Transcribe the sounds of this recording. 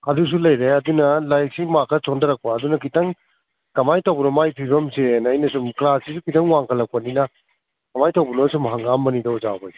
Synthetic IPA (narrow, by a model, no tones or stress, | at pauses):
ɐdus̬ulɐjɾeɐdunɐlajk̚simakʰːɐsondɐɾɐk̚paːdunɐkitɐŋ | kɐmajtawbuɾomajpʰiɾomsenɐjnɐsumklassisukitɐŋwaŋkʰɐlːɐk̚pɐninɐ | kɐmajtɐwbunosumɦaŋɡamːɐnidɐuza̰wbaj